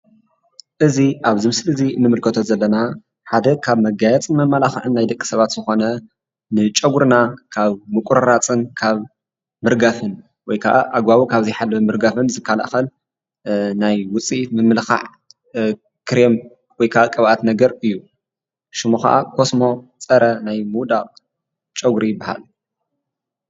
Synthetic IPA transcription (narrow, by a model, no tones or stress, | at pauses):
ʔɨziʔaβzɨmɨslɨzinːɨmɨlkʰɐt̪ʰozɐlːɐna | ħad̪ɐkʰaβmɐɡajɛt͡sʼɨnmɐmːalaxɨʕɨnːajd̪ɐkʼːi̥sɐβat̪z̥ɨxo̞nɐ | nɨt͡ʃʼɐɡuɾnakʰaβmɨkʼuɾɐɾat͡sʼɨnkʰaβ | mɨɾɡafɨn | wɔjkʰa̰ʔa̰ʔaɡbaβukʰaβzɐjħalːɐfmɨɾɡafɨnzɨkʰːala̰xɐl | najwʊt͡sʼimɨmːɨlxa̰ʕ | kʰɨɾem | wɔjkʰaʔakʼɐβʔat̪nɐɡɐɾɨjːu | ʃɨmoxa̰ʔa̰kʰo̞smo̞t͡sʼɐɾɐnajmuwd̪aqʼ | t͡ʃʼɐɡɾijɪbːaha̰l